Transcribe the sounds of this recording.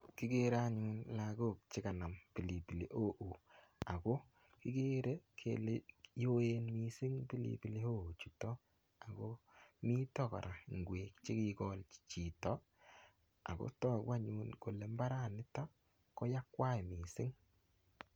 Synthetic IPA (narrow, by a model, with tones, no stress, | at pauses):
ki˦ke˦ɾa˦ɲu˦nla˨ɡo˦˨k̚t͡ʃɪ˦ka˨na˨mpi˨li˨pi˨lḛ˦ʔo˦ʔu˨ | a˨ɡo˦ | ki˦ke˦ɾe˦kʰḛ˨lejo˦e˦nmi˦sɪ˦ŋpi˦lḭ˨bi˨le˦o˦˨o˨t͡ʃu˨tɔ˦ | a˨ɡo˦mi˦tɔ˦kɔ̰˨ɾʔa˨ŋɡweː˨kt͡ʃe˦ki˦kɔ˦lt͡ʃi˨tɔ˦ | a̰˨ko̰˦tɔː˦kwa˦ɲu˦nko˨le˨mba˦ɾa˦˨nɪ˦tɔ˦ | kɔ˦ja˦kwa˦jmi˨sɪ˦ŋ